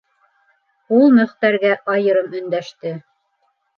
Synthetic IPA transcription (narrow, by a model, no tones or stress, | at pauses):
ulˠmɵ̆χt̪æɾɡæʔɑjɤ̆ɾɤmɵ̆nd̪æʃt̪ɘ